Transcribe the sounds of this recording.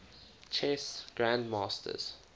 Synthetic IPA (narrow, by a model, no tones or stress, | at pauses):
t͡ʃʰɛsɡ̥ɹãndmɑːstʰə̰z̥